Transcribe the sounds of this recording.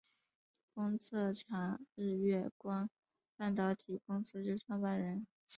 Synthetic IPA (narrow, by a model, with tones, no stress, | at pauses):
kʊ˥ŋt͡sʰɤ˥˩ʈ͡ʂʰɑ˧˥ŋ̩˥˧ɥɛ˥˩kwa˥n | pa˥˩nt̪ɑ˧˥ʊt̪ʰi˨˩kʊ˥ŋsɹ̩˥t͡ɕjo˥˧ʂʈ͡ʂʰwa˥ŋpa˥˩nɻə˧˥n